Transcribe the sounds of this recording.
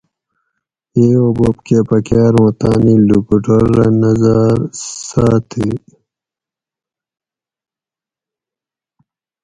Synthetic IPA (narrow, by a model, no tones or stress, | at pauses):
eːobopkepɐkaːɾõt̪aːnilukuʈoɾːanɐzaɾsaːt̪ʰi